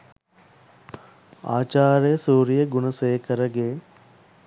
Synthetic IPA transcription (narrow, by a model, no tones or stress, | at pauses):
a̰ːt͡ʃaːɾejəsuːɾijəɡunəseːkʰəɾəɡe